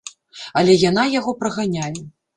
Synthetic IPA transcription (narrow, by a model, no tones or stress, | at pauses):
ɐlʲɛjanajaɣɔpɾɐɣanʲajɛ